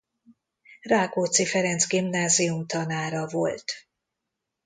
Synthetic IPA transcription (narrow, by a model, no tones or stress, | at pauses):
raːkoːt̪sifɛɾɛnzɡimnaːziumt̪ɒnaːɾɒvo̞lt̪